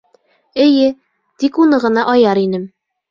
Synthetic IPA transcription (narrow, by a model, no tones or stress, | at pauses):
ɘ̆jɘ | t̪ikunɤʁɤ̆nɑʔɒjɑɾinɘm